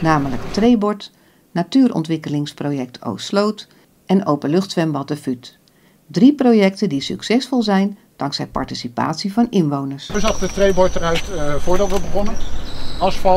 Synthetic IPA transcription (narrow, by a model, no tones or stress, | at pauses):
naːmələktrejbɔɹt | natyːɾɔ̰ntʋɪkəlɪŋsprowjɛk̚tʰo̰wslowt | ʔɛnowpəlɵχtsʋɛmbɑtəfyt | driprowjɛktədisy̰ksɛsfɔlˠzɛjn | d̥ɑŋksɛjpɑ̰ɹtisipa̰ːtsivɑnɪnʋownəɹsəzɑχdətrejbɔɹtərœɥtfʊːɹdɑtʋəbəχɔnəɑsfɑ